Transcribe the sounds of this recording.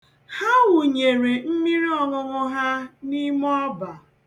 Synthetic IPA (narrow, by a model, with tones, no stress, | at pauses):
ha˦wʊ˨ɲe˨ɾe˨m̩˦mi˦ɾi˦ɔ˨ŋʊ˨ŋʊ˦ɦa˦ni˦mɔ˦ba˨